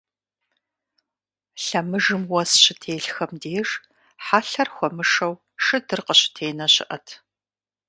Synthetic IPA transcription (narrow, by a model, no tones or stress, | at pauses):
ɬɐmɨʒɨmwɐsɕɪtʰeːɬxɐmdeːʂ | ħaːɬɐrxʷɔmɨʂɐw | ʂɨdɨrqəɕɪ̥tʰeːnɐɕɪ̰ʔɐtʰ